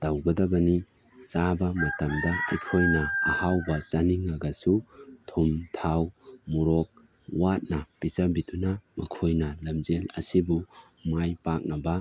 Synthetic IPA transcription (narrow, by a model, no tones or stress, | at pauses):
d̥awɡɐdɐbɐni | t͡ʃabɐmɐtɐmdɐɐ̰jkʰojnɐːhawbɐsɐniŋːɐɡɐsutʰumtʰawmuɾok̚ | wat̚nɐpisɐbidunɐmɐkʰojnɐlɐmzelɐ̰sibu | majpak̚nɐbɐ